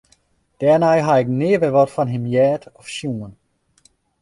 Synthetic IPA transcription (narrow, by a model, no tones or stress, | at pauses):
d̥ɛːnajɦaɪk̚nɪːʋəʋɔtfɔnɦɪmjɛːtɔfʃjuən